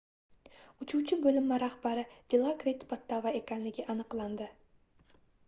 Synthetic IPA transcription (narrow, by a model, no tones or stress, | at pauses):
ʊt͡ʃʰuwt͡ʃʰɪbɵlɪmːaɾahbaɾɪd̪̥ɪlˠɑkɾʲet̪pʰɑt̪ʰːavaekʲanlɪɡʲɪʔɑnɨqlˠɑnd̪ɪ